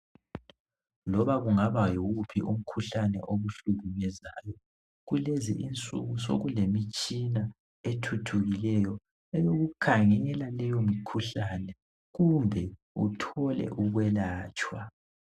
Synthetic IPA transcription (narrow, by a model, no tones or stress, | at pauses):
lɔβaɣuŋaβajɔɣupʰiʔum̩kʰuɬanɛ̰ʔoβuɬuɣumɛzaːjɔ | ɣulezḭʔint͡sʼṵɣuso̰ɣulemit͡ʃʼina | etʰutʰuɣilɛjɔ | ɛjoɣukʰaŋɛɣɛlalɛjomikʰuɬanɛ | ɣumbʱɛ | utʰɔlɛ̰ʔuɣwɛlaːt͡ʃʼwa